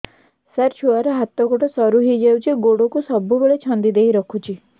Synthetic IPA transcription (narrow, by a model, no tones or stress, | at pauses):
saɾt͡ʃʰuaɾɔɦat̪ɔɡoʈɔsɔɾuɦid͡ʒawt͡ʃʰiɡoɽokusɔbubeɭet͡ʃʰɔnd̪id̪eɦiɾɔkʰut͡ʃʰi